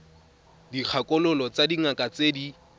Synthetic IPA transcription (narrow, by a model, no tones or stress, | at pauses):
dik͡xʰakʼʊlʊlɔt͡sadiŋakʼat͡sedi